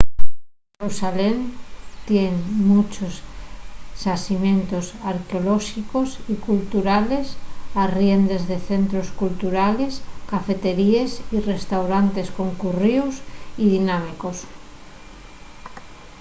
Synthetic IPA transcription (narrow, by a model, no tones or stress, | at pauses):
ɾusalent̪jeŋmut͡ʃosː | asimẽ̞nt̪osaɾkeoloʃikosikult̪uɾale̞sarje̞nd̪e̞zðe̞θe̞nt̪ɾoskult̪uɾale̞skafe̞t̪e̞ɾiesire̞st̪awɾant̪e̞sko̞ŋkuriusiðinamiko̞s